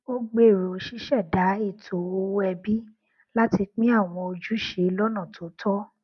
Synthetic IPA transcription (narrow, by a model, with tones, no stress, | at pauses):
o˦ɡ͡be˦˨ɾo˨o˨˦ʃi˦ʃɛ˦˨da˨˦i˦˨tʰo˨o˧wɛ˧bi˦ | la˦ti˧k͡pĩ˦a˦˨w̃ɔ̃˧o˧d͡ʒu˦ʃe˨˦lɔ˦nã˦˨tʰo˨˦tʰɔ˦